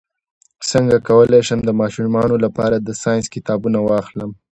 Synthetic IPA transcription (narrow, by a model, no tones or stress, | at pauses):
səŋɡakawəleʃəmd̪əmɑʃumɑnolapɑɾad̪əsɑjɪnskɪt̪ɑbunawɑxləm